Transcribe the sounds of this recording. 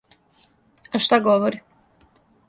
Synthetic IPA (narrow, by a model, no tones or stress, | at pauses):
aʃt̪aɡoʋoɾi